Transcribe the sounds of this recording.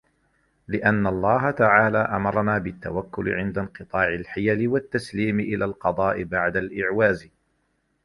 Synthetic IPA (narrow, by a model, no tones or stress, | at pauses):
lɪʔanːalˤːɑːɦat̪aʕaːlaːʔamɑɾˤɑnaːbɪt̪ːa̰wakːʊlɪ̰ʕɪnd̪anqɨt̪ˤɑːʕɪlħɪjalɪwat̪ːasliːmɪʔɪlʔaːlqɑd̪ˤɑːʔɪbaʕd̪alʔɪʕwaːz